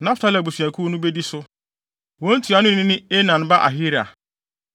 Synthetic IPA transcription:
nã˦ftʰa˦lɛ˨bu˨sɥæ˨kʰu˦nʊ̃˦bɛ˦di˦sʊ˦ | wɔ̃˦n̩˦tʰu˨a˨nʊ̃˦ñ˦ɪ̃˦nɪ̃˦e˦nã˨n˦ba˦ʔa̰˨ɦi˦ɾa̰˨

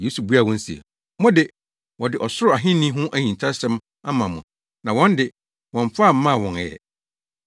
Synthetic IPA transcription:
jeː˨˦su˨bu˦a˨wɔ̃˦n̩˦siɛ̰˨ | mɔ̃˦dɪ˨ | wɔ̃˨dɪ˨ʔɔ˨sʊ˦ɾʊ˨a˨ɦɪ̃˦nĩ˦ɦʊ̃˦ʔæ˦ɲĩ˨nʰ˨a˦sɛ̃˦m | a˦mã˨mʊ̃˨ | nã˨wɔ̃˦ndɪ˨ | wɔ̃˨ɱ˦fa˦˨m̩˦mã˦˨wɔ̃˨nɛ̰˨

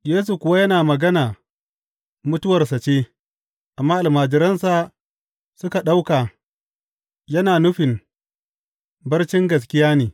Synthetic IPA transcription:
jeː˦s̬u˨kʷʊ˨wa˦jɐ˦naː˨mɐ˨ɡɐ˦naː˨ | mʊ˦tʊ˦wɐ˨rsa˨t͡ʃeː˦ | ʔa˨mːaː˦ʔa˨maː˨d͡ʒɪ˨ɾɐ˦nsa˨ | sʊ˦ka˨ɗa˦wkaː˨ | jɐ˦naː˨nʊ˦ɸɪ˨m | bɐ˦rt͡ʃɪ˦ŋɡɐ˨s̬kʲɪ˦jaː˦neː˨

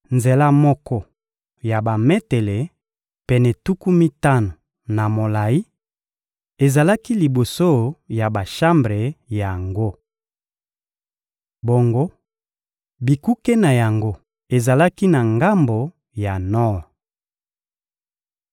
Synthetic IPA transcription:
nze˨la˦mɔ˦kɔ˦ | ja˨ba˨me˦te˨le˨ | pɛ˨nɛ˨tu˦ku˦mi˦ta˦no˨ | na˨mo˨la˨i˦ | e˨za˨la˦ki˦li˨bo˨so˦ja˨ba˨ʃa˦mbʁe˨ja˨ŋɡo˦ | bo˨ŋɡo˦ | bi˨ku˦ke˦na˨ja˨ŋɡo˦ | e˨za˨la˦ki˦na˨ŋɡa˦mbo˨ | ja˨nɔ˦˨

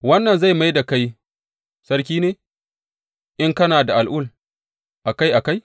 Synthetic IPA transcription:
wɐ˦nːɐ˨nza˦˨jma˦jda˨ka˦j | sɐ˦ɾkʲiː˦neː˨ | ʔɪ˦ŋkɐ˦naː˨da˨ʔa˨lʔʊ˦l | ʔa˨ka˦jʔa˨ka˦j

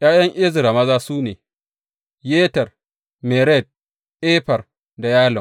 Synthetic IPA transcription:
j̰aː˦jɐ˦ŋʔɪ˦zɪ˨ɾa˨mɐ˦zaː˦suː˦neː˨ | jeː˦tɐ˨r | mɛ˨ɾɛ˦˨d̚ | ʔeː˦ɸɐ˨r | da˨jaː˦lɔ˨ŋ

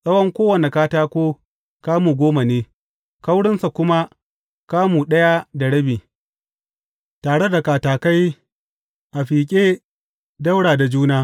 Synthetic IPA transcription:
sʼɐ˦wɐ˦ŋkʷoː˦wɐ˨ne˨kaː˦taː˦kʷoː˦ | kaː˦muː˨ɡʷoː˦ma˨neː˦ | ka˦wɽɪ˦nsa˨kʷʊ˦ma˦ | kaː˦muː˨ɗɐ˦ja˦da˨ɽɐ˦biː˨ | taː˨ɽe˦da˨kaː˨taː˨ka˦j | ʔa˨ɸiː˨kʲʼeː˦ | da˦wɽaː˨da˨d͡ʒuː˦naː˦

